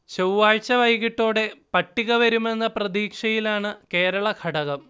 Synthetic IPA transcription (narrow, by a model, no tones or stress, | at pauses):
ɕɐwʋaːɻt͡ɕːɐʋɐjɣiʈːoːɽe̞pɐʈːiɣɐʋɐɾume̞nːɐprɐd̪iːkʂɐjilaːɳɨke̞ːɾɐɭɐkʰɐɽɐɣɐm